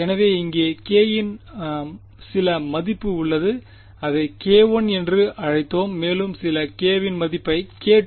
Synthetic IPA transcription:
ɛnɐʋeːɪŋɡeːkeːjɪn | sɪlɐmɐðɪpːɯʊɭːɐðɯ | ɐðɐɪkeːʋonɛndrɯɐɻɐɪt̪ːoːmːeːlɯmsɪlɐkeːʋɪnmɐðɪpːɐɪkeːʈ

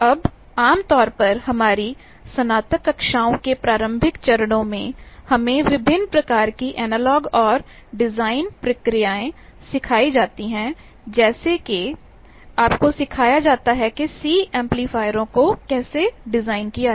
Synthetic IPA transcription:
ɐb | aːmt̪ɔːɾpɐɾɦɐmaːɾi | sɐnaːt̪əkɐkʃaːõkepɾaːɾə̃mbʱɪkt͡ʃɐɾəɽ̃õmẽhɐmẽʋɪbʱɪnːpɾɐkaːɾkiʔɛːnəlɔːɡɔːɾ | ɖɪzaːɪnpɾɐkɾijaːẽ | sɪkʰaːid͡ʒaːt̪iɦɛ̃ | d͡ʒɛːseke | aːpkosɪkʰaːjad͡ʒaːt̪aɦɛkesiːɛ̃ːmpliːfaːɪɾõkokɛːseɖɪzaːɪnkija

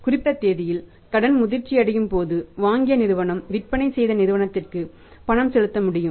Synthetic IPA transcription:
kʊrɪpːɐt̪ːeːðɪjɪl | kɐɽɐnmʊðɪrt͡ʃːiɐɽɐjɯmpoːðɯʋaːŋɡɪjɐnɪɾɯʋɐɳɐmʋɪrpɐɳɐɪsɛjðɐnɪɾɯʋɐɳɐt̪ːɪrkɯ | pɐɳɐmsɛɻɯt̪ːɐmʊɽɪjɯm

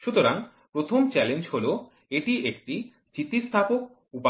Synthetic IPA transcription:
ʃut̪oɾaŋ | pɾot̪ʰomt͡ɕɛlend͡ʑɦolo | eʈiʔek̚ʈi | t͡ɕit̪ːist̪ʰapok̚ | upa

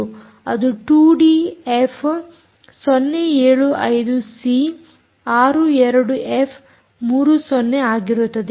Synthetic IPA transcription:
ɐ̰d̪uʈuːɖiepʰ | sɔnːeeːɭuʔɐjd̪usi | aːɾuɛɾɐɽuʔepʰ | muːɾusɔnːeaːɡiɾut̪ːɐd̪e

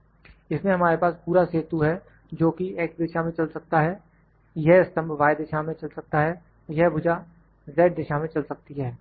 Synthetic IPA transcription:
ɪsmẽɦɐmaːɾepaːspuːɾaseːt̪uɦɛ | d͡ʒoːkieːk̚d̪ɪʃamẽt͡ʃɐlsɐk̚t̪aɦɛː | jɛɦɪst̪ə̃mbʱʋaːɪd̪ɪʃamẽt͡ʃɐlsɐk̚t̪aɦɛ | jɛɦbʱʊd͡ʒa | zɛːʈ̚d̪ɪʃamẽt͡ʃɐlsɐk̚t̪iɦɛː

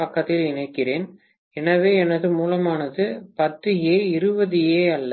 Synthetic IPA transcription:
ɐkːɐt̪ːɪlɪnɐɪkːɪreːn | ɛnɐʋeːɛnɐðɯmuːlɐmaːnɐðɯpɐt̪ːɯjeːɪɾɯbɐðɪjeːɐlːɐ

